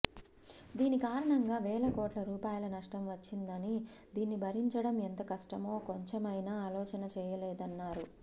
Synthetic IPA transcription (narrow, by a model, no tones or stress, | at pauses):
d̪iːnikaːɾɐɳɐŋɡaːʋɛːlɐkoːʈlɐɾuːpaːjɐlɐnɐʂʈɐmʋɐt͡ʃːind̪ɐnid̪iːnːibʱɐɾiɲt͡ʃɐɽɐment̪ɐkɐʂʈɐmoːkoɲt͡ʃemɐjnaːaːlɔːt͡ʃɐnɐt͡ʃɛːjɐlɛːd̪ɐnːaːɾu